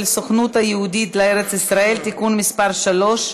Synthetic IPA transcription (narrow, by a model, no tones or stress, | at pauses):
lsoχnut̪hajeud̪it̪leeʁet͡sisʁae̞lt̪ikunmispaʁʃalo̞ʃ